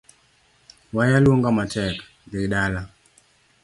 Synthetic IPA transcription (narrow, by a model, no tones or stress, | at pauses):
wajalwoŋɡamatɛk | d̪iɗala